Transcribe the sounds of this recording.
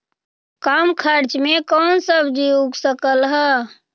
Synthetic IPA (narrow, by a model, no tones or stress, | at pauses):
kamkʰəɾt͡ʃmekɔnsəbʱd͡ʒiuɡsəkəlɦə